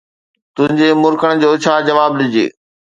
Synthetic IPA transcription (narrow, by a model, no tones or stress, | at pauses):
t̪ʊ̃ɦɪ̃ɲd͡ʑemʊɾkəɽ̃d͡ʑoːt͡ɕʰaːd͡ʑɐʋaːblɪd͡ʑḛː